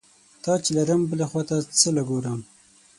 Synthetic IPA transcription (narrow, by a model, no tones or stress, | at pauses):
t̪ɑt͡ʃelaɾəmbəlexwɑt̪at͡səlaɡoɾəm